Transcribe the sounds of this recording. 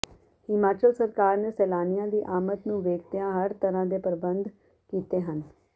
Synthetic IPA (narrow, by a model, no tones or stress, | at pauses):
hɪmaːt͡ʃəlsəɾkaːɾneːsɛːlaːnɪjãːd̪iːʔaːmət̪nũːʋeːkʰt̪ɪjãːɦəɾt̪əɾãːd̪eːpəɾbənd̪ | kiːt̪eːɦən